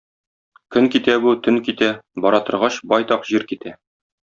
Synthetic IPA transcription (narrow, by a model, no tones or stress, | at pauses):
kɵŋkit̪æbut̪ɵ̆ŋkit̪æbɒɾɑt̪ɤ̆ɾʁɑɕbɒjt̪ɑqʑiɾkit̪æ